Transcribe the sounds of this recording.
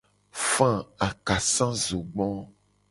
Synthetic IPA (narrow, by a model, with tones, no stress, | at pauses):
fã˦a˨ka˨sã˦zo˨ɡ͡bɔ̃˦